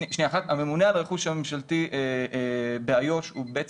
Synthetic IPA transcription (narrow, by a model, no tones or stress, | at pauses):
iʃniaχat̪ame̞munealʁeχuʃamemʃalt̪iʔe | beajo̞ʃubeet͡s